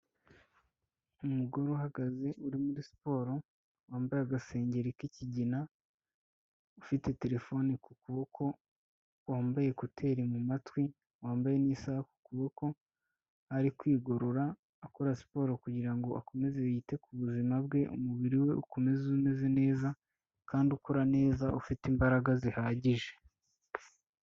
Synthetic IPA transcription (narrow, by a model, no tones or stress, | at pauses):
umuɡo̞ɾoɦaɡaze̞ʔuɾimuɾisi̥po̞ːɾo̞ | waːmbajeaɡase̞ːɲɟe̞ɾikiciɟina | ufite̞te̞ɾe̞fo̞nikukuβo̞kʰo̞ | waːmbaje̞kotʰe̞ɾimumatwi | waːmbaje̞niːsahaku̥kuβo̞kʰo̞ | haɾikwiːɡo̞ɾo̞ɾaː | koɾasi̥po̞ːɾokuɟiɾaŋɡo̞ʔa̰ko̞me̞ze̞iːte̞kuβuzimabɡe̞ʔṵmuβiɾiwe̞ʔuko̞me̞zume̞ze̞ne̞ːza | kaːndukʰo̞ɾane̞ːzaʔufitimbaɾaɡazihaːɟiʒe̞̥